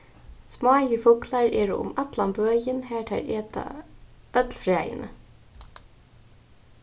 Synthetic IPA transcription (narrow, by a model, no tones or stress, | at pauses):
smɑːjɪfʊklaɹeːɹʊʊ̰mat̪lambøːjɪnhæːɹʈ̪ʰæ̰ɹeːt̪a̰ | œt̪lfɾæːjɪ̰nə